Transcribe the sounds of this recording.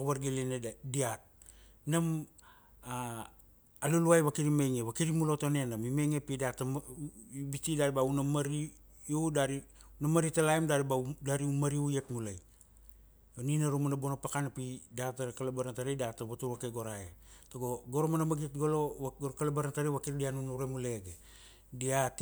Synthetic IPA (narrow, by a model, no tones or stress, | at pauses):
koβaɾɡilinediat̚ | nam | a | aluluajβakiɾimeŋeβakiɾimulo̞tonenamimeŋepidata | bitidaɾibaunamaɾi | odaɾi | namaɾitalaemdaɾbadaɾiumaɾiujetmulaj | oninaɾumanabonopakanapidataɾkalabaɾantaɾejdataβatuɾakeɡo̞ɾaetoɡo̞ɡoɾomanamaɡitɡolooɾkalebaɾantaɾiβakiɾdianunuɾemule̞ɡe | diat